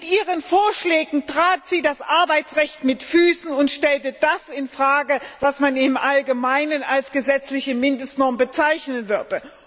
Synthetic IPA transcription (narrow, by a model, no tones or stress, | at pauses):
mɪtʔiːʁənfoːɐʃlɛːɡŋ̩tʁ̥aːtz̥iːdasʔaɐbaɪt͡sʁɛçtmɪtfyːsn̩ʊntʃtɛltəd̥asɪnfʁ̥aːɡəvasmanɪmʔalɡəmaɪnənalsɡ̥əzɛt͡slɪçəmɪndəstnɔɐmbət͡saɪçnənvʏɐdə